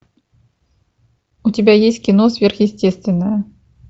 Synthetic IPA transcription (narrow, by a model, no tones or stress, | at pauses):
utʲɪbʲajesʲtʲkʲinɔzʲvʲerxjɪsʲtʲɛst̪vʲɪnːəjɐ